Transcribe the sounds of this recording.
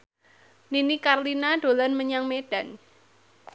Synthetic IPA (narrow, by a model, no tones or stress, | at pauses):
ninikarlinaɖ̥olanməɲaŋmeɖ̥a̤n